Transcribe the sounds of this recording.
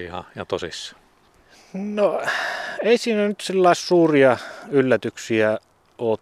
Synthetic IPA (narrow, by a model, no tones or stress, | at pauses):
hɑ̰jɑ̰t̪osisːɑ̥ | no | eˑisiːnænyt̪silːɑˑissuːriɑylːæt̪yksiæ | oːt̪